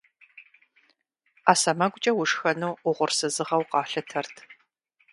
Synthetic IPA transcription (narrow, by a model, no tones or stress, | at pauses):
aːsɐmɐɡʷʊt͡ʃʼɐwʊʂxɐnuːʊʁʷʊrsɨzɨʁɐwqɑːɬɨtʰɐrtʰ